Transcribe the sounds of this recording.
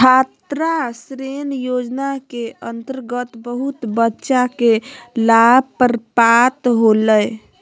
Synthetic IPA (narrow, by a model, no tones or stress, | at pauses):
kʰat̪ɾasɾenjod͡ʒnakeənt̪əɾɡət̪bəɦut̪bətːʃakelab̚ʱpəɾpat̪ɦoləj